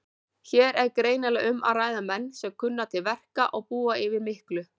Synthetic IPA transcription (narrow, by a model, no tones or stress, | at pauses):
çɛːɾɛɾkɾeːjnalɛɣʏmʔa̰ðraːjðamɛnːsɛŋkʰʏnːat̪ʰɪlvɛr̥kaʔɔɣpuːaɪvɪɾmɪhklʏ